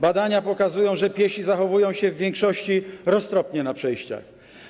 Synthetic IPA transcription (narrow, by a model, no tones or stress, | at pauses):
bad̪aɲapɔkazujɔ̃w̃ʐɛpʲjɛɕizaxɔvujɔ̃w̃ɕɛvːʲjɛŋkʂɔɕt͡ɕiɾɔst̪ɾɔpɲɛnapʂɛjɕt͡ɕa̰x